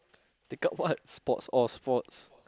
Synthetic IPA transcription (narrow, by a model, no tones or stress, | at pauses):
d̥eɡɔʔ̚wat̚spɔtsɔspɔts